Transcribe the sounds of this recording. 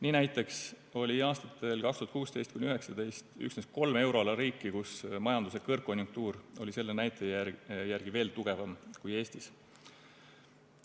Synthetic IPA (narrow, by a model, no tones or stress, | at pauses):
niːnæjt̪ːˑe̞ks | o̞lʲiɑːst̪ɑt̪ːˑe̞lkɑkst̪uɑt̪kuːst̪ejst̪kujnʲiyɦe̞ksɑd̪e̞jst̪y̰ksnes̚ko̞lme̞wɾo̞lɑɾiːkˑːikusmɑjɑnd̪usekɤrkːo̞nʲjuŋk̚t̪uːɾo̞lʲise̞lːenæjt̪ˑeæjærɡ̥ive̞ːlt̪uɡ̥e̞vɑmkuje̞ːst̪is